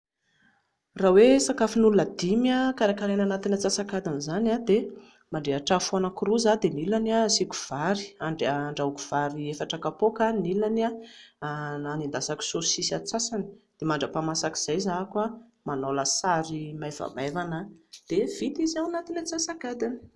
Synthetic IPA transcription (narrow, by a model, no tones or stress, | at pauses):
rawesakafinulunəd̪imiakaɾakaɾenanat̪inat͡sasakad̪anzanad̪e | maɳɖ͡ʐeaʈ͡ʂafuanakuɾuzad̪enilanasiku̥v̥aɾi̥aɳɖ͡ʐeaɳɖ͡ʐaukuv̥aɾiefaʈ͡ʂakapokanilania | anind̪asaki̥sosisat͡sasani̥d̪̥emaɳɖ͡ʐəpamasaki̥z̥ajzakua | manoləsaɾimajva̰mevanad̪̥ev̥it̪izawanat̪inat͡sasakad̪ani̥